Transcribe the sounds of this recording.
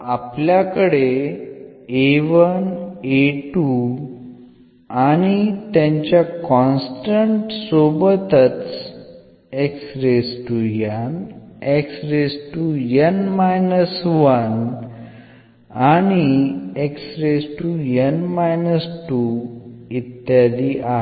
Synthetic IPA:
apljakəɽe | eʋəneʈu | aɽ̃it̪jãɲt͡ɕjakɔ̃nsʈəɳʈsobət̪ət͡s | eksɾesʈujaneksɾesʈujənmajnəsʋən | añieksɾesʈujənmajnəsʈu | it̪ːjad̪iʔaɦ

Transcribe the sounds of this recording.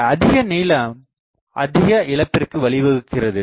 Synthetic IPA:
ɐðɪɣɐniːlɐm | ʔɐ̰ðɪɣɐʔɪɭɐpːɪrkɯʋɐɭɪʋɐɣɯkːɪrɐðɯ

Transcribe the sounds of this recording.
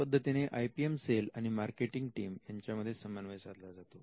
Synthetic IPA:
əd̪ʱːət̪ineʔʔajpiemselaɽ̃imaɾkeʈiŋɡʈiːmjaɲt͡ɕjaməd̪ʱːjesəmanʋesaɾlad͡zat̪o

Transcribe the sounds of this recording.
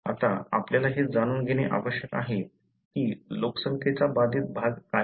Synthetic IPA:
a̰t̪aa̰pljalaɦed͡zaɽ̃uːnɡʱeɽ̃eʔa̰ʋəɕjəkaɦe | kiːloksəŋkʰet͡sabad̪ʱiːt̪̚bʱaɡka

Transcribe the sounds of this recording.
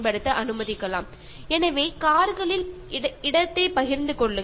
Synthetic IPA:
pɐɽɯt̪ːɐʔɐnɯmɐðɪkːɐɭa̰ːm | ɛnɐʋeːkaːɾɣɐɭɪl | ɪɽɐt̪ːeːpɐɣɪɾnd̪ɯkɔɭːɯ

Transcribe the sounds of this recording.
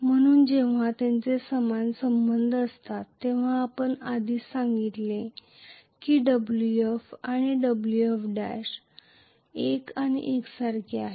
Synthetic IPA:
m̤əɽ̃uːnd͡ʑeʋ̤at̪jant͡sesəmansəmbənd̪ʱəst̪at̪ːeʋ̤aːpəɳad̪ʱiːsaŋɡit̪le | kiːɖəbluefaɽ̃iɖəbluefɖajs | ekaɽ̃ḭʔeksaɾkʰeaɦe

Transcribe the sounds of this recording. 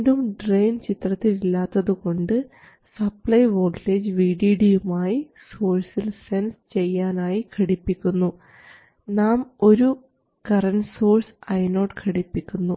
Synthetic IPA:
dumɖrejnt͡ɕit̪rɐt̪ːililːaːt̪ːɐðuko̞ɳɖɨ | sɐplɐjʋo̞ːleːd͡ʑʋiːɖiːɽijumaːji | so̞ːrsilse̞nst͡ɕe̞jːaːnaːjikʰɐɽipːikʲːunːu | naːmo̞ɾu | kɐrɐnɖsoːrsɐjno̞ːʈkʰɐɽipːikʲːunːu

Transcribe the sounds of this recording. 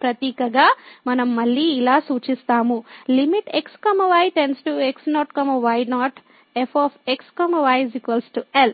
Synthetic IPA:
pɾɐt̪iːkɐɡaːmɐnɐmːɐɭːiːlaːsuːt͡ʃist̪aːmulimiʈekskɐmɐʋɐjʈensʈueksnɔːʈkɐmɐʋɐjnaːʈ | epʰɔːpʰekskɐmɐʋajzikʋɐlsʈuel

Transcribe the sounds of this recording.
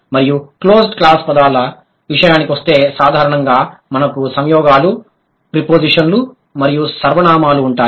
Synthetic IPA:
mɐɾijukloːsʈklaːspɐd̪aːlɐ | ʋiʂɐjaːnikiʋɐst̪e̞ːsaːd̪ʱaːɾɐɳɐŋɡaːmɐnɐkusɐɲjɔːɡaːlu | pɾipoːd͡ʒiʂɐnlu | mɐɾijusɐɾʋɐɳaːmaːluːɳʈaː

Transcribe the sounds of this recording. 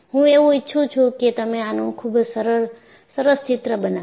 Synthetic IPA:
hũeuɪtːʃʰut͡ʃʰuket̪əmẽanõũkʰubsəɾəɾ | səɾəst͡ʃit̪ɾəbəna

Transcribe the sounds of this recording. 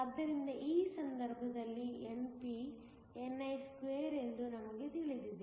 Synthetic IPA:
ɐd̪ːɐɾind̪ɐʔiːsɐnd̪ɐɾbʱɐd̪ɐlːienpi | enːɐjskʋeːɾe̞nd̪unɐmɐɡet̪iɭid̪id̪e

